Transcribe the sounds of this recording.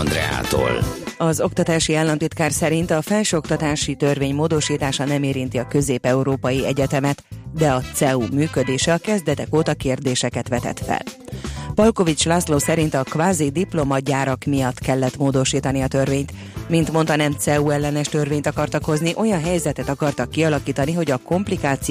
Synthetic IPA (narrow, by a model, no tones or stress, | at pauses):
nd̪ɾɛ̰a̰ːt̪o̰ːlɒzo̞kt̪ɒt̪aːʃiaːlːɒnt̪it̪kaːrsɛɾint̪ɒfɛlʃøːo̞kt̪ɒt̪aːʃit̪ø̞rveːɲmoːd̪o̞ʃiːt̪aːʃɒnɛmeːɾin̪t̪iɒkø̞zeːpɛuɾoːpɒjiɛɟɛt̪ɛmɛt̪d̪ɛɒt̪sɛuːmyːkø̞d̪eːʃɛɒkɛzd̪ɛt̪ɛkoːt̪ɒkeːrd̪eːʃɛkɛt̪ʋɛt̪ɛ̰t̪fɛ̰lpɒlko̞vit͡ʃlaːsloːsɛɾint̪ɒkʋaːzid̪iplo̞mɒd̪̚ɟaːɾɒkmijɒt̪kɛlːɛt̪moːd̪o̞ʃiːt̪ɒniɒt̪ø̞rveːɲt̪ | mint̪mo̞nt̪ɒnɛmt̪sɛuːɛlːɛnɛʃt̪ø̞rveːɲt̪ɒkɒrt̪ɒkho̞zniʔo̞jɒnɦɛjzɛt̪ɛt̪ɒkɒrt̪ɒkːiɒlɒkiːt̪ɒniɦo̞ɟɒko̞mplikaːt̪si